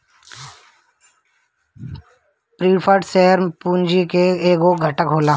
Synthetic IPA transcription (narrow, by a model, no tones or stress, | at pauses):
pɾiːpʰəʈseɦəɾpuːnd͡ʒikeeːɡoɡʱəʈəkɦoːlaː